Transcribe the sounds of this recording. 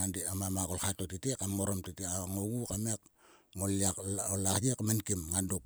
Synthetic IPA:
andiamamakolxatotitekamŋoɾomtiteaŋoɡukamekŋoliakolahjekmenkimŋanduk

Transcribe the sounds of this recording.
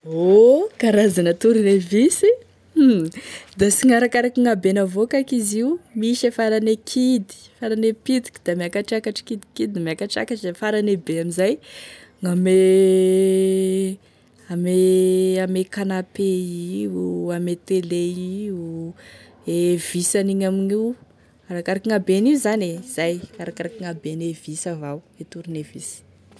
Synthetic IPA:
okaɾazanət̪uɾinevisi | d̪asiŋaɾakaɾakiŋabenavokakiziumiʃefaɾanekʰid̪i̥faɾanepid̪i̥ki̥d̪̥amiakaʈ͡ʂakaʈ͡ʂi̥kid̪i̥kid̪imeakaʈ͡ʂa̰kaʈ͡ʂzafaɾanebeamizajŋame | ameamekanapeiuamet̪eleiu | ev̥isaniɲamiɲiw | kaɾakaɾakiŋabeniuzanez̥ajkaɾakaɾakiŋabenevisavaw | et̪uɾunevisi̥

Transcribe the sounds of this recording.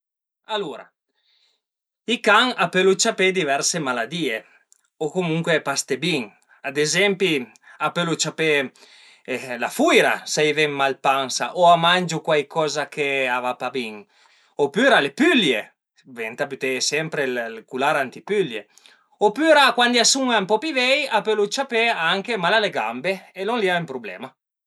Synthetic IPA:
aluɾa̰ | ikaŋapelut͡ʃaped̪ivɛɾsemalad̪iːe | okomuŋkwepast̪ebiŋ | ad̪ezɛmpi | apølut͡ʃape | lafujɾasajvɛŋmalpaŋsa̰ʔoamand͡ʒukwajkʰɔzakʰeavapabiŋ | opyɾalepylje | vɛnt̪apyt̪esɛmpɾellkulaɾant̪ipylje | opyɾakwand̪iasuŋampɔpivɛjapølut͡ʃapeaaŋkemalaleɡa̰mbeelonliaempɾublɛ̰ːma

